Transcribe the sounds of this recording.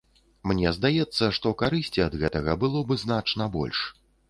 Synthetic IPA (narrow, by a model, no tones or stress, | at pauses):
mnʲɛzd̪ajɛt̪sːɐʂt̪ɔkaɾɨsʲt͡sʲiɐd̪ɣɛt̪ɐɣɐbɨlˠɔbɨznat͡ʂnɐbɔ̰lʲʂ